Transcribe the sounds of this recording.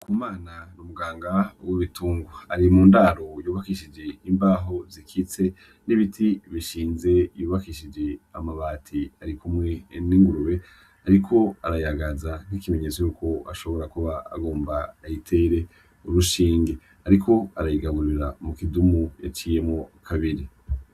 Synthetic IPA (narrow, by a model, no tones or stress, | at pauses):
kʰumaːnanumuɡaːŋɡawoβituːŋɡoaɾimuːndaːɾo̞juːβakiʃid͡ʒe̞imbaːɦo̞zikʰit͡se̞ | niβitʰiβiʃiːnze̞juːβakiʃid͡ʒe̞a̰maβaːtʰiaɾikumŋe̞niːŋɡuɾuwe̞ | aɾikʰo̞aɾajaɡazan̥hikime̞ɲe̞t͡so̞juːko̞aʃo̞βo̞ɾakuβaa̰ɡo̞ːmbaːjitʰe̞ɾe̞ | uɾuʃiːŋɡe̞ | aɾikʰo̞aɾajiɡaɡuɾiɾamukidumuja̰t͡ʃiːje̞mŋokʰaβiɾi